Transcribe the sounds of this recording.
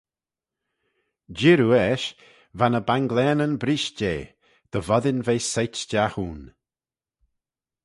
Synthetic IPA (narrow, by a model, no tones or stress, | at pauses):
d͡ʒɪɾuɛʃ | vanəbaŋɡlɛːnənbɾiːʃd͡ʒeː | d̪̥əvɔðɪnveːsejt͡ʃd͡ʒaxuːn